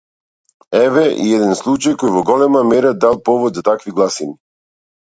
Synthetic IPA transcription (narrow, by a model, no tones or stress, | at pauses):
ɛvɛʔḭɛd̪ɛnslˠut͡ʃajkɔjvɔɡɔlɛmamɛɾad̪alˠpɔvɔd̪zat̪akviɡlˠasini